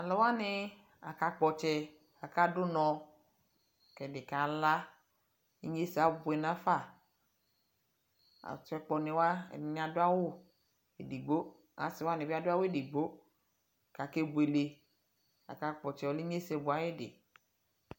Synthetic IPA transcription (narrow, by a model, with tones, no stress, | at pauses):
a˨lɔ˨˦wa˦nɪ˧ | a˨ka˧k͡pɔ˨t͡ʃɛ˧ | a˨ka˦dʊ˦nɔ̃˧ | kɛ˨dɪ˨ka˨la˦ | i˦ɲe˦si˨a˨˦bʊ˨ɛ˨nã˦fa˦˨ | a̰˨tɛ˧k͡pɔ˧nɪ˨wa̰˦˨˦nɪ˦a˨dʊ˦a˦wʊ˦ | ḛ˨di˨ɡ͡bo˦ | a̰˨˦sɪ˨wa˦nɪ̃˨bi˦a˦dʊ˦a˦wʊ˦e˦˨dɪ˨ɡ͡bo˦˨ | ka˨ke˦bu˨e˨le˨ | a̰˨ka˧k͡pɔ˨t͡ʃɛ˨wɔ˨li˦ɲe˦sɛ˧bʊ˨a˨˦ɪ˦dɪ̰˨